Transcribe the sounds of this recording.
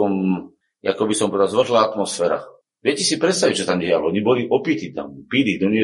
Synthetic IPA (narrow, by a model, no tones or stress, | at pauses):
ɔm | a̰kɔbisɔmpɔʋɛd̪azʋr̩ɦlaːat̪mɔsfɛːɾa̰ | ʋɛcɛsipɾɛt̪st̪aʋic̚t͡ʃɔt̪amɟɛjalɛɔɲibɔliʔɔpiːt̪it̪a̰mpid̪id̪ɔɲɛ